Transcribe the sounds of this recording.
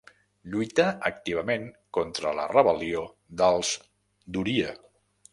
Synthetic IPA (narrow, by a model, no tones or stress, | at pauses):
ʎujt̪əək̚t̪iβ̞əmeŋkɔnt̪ɾələ̰rəβəlio | d̪əlˠz | d̪uɾiə